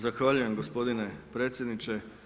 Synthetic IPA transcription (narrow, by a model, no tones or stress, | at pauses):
zaxʋaʎuje̞mɡospo̞d̪inepɾe̞ːt̪sʲjed̪nit͡ʃe̞